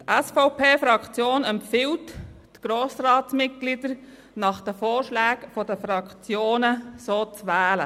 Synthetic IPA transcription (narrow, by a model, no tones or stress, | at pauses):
tɛsfɔʊpʰeːfɾɑkt͡sjoːnɛmpfɪlt | ɡ̥ɾoːsrɑːtsmɪt̚ɡ̥lidəɾ | nɑχd̥əfoːɾʃlæːɡfɔdəfɾɑkʰt͡sjoːnəsoːt͡sʋæːlə